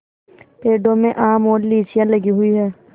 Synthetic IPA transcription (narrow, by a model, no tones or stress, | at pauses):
peːɖõmẽʔaːmɔːɾliːt͡ʃijãləɡiɦʊiɦɛː